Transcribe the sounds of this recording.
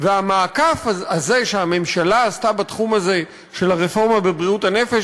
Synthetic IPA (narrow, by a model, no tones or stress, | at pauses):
veamaːkafaze̞ʃeame̞mʃalaːstabat̪χumaze̞ | ʃe̞laʁefo̞ʁmabebʁiuthane̞fe̞ʃ